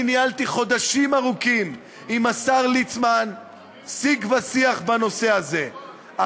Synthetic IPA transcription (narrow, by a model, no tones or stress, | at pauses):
nialt̪iχo̞d̪aʃimaʁukim | imasaʁlit͡sman | siɡvasiaχbano̞se̞aze̞ | a